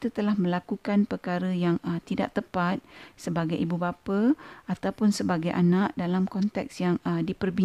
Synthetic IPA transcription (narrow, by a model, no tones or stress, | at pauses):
it̪ut̪əlahmə̃lakukanpərkaɾəjaŋət̪ida̰ʔt̪əpat̪̚səbaɡajibubapəat̪awpʊnsəbaɡajʔa̰naʔdalamkɔnt̪ɛksjaŋədipərbi